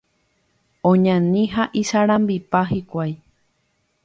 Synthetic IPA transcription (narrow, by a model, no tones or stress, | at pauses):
õɲãnĩɦaʔiʃaɾãmbipaɦikʷaj